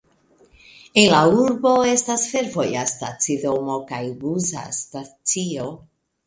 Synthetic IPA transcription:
enlauɾbo̞e̞stasfe̞ɾvo̞jastat͡sido̞mo̞kajɡuza̰stat͡sio

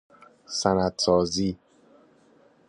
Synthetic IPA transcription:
sænæd̪sɒːziː

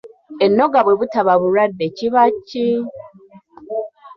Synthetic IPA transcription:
enːo̞ɡaβweβutaβaβuɾadːeciβacːi

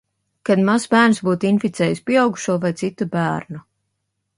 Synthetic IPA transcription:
kad̪masbæːɾnsbuːt̪infit̪sɛːjuspʲiɛawɡu̥ʃuɔvajt̪sit̪ubæːɾnu

